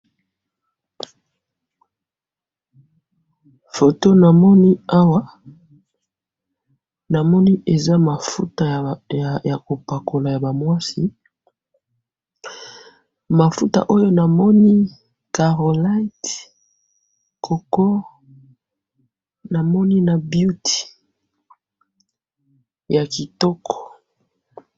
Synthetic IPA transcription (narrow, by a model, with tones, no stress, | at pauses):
fo˨to˦na˨mɔ˦ni˦a˦wa˦ | na˨mɔ˦ni˦e˨za˦ma˨fu˦ta˨ | ja˨ko˨pa˨ko˨la˨ja˨ba˨mwa˦si˨˦ | ma˨fu˦ta̰˨ʔo˦jo˦na˨mɔ˦ni˦ | ka˨ʁo˨la˦t | kʰo˨kɔ˦ | na˨mɔ˦ni˦na˨bju˦ti̥˨ | ja˨ki˨tɔ˦kɔ̥˨